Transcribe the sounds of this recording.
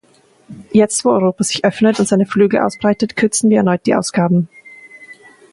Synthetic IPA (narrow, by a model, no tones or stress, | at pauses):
jɛt͡stvoːɔʏʁoːpaz̥ɪçʔœfnətʊntz̥aɪnəflyːɡl̩əʔa̰ʊsb̥ʁaɪtətkʰʏɐt͡sn̩viːɐɛɐnɔʏt̚d̥iːʔa̰ʊsɡ̥aːbm̩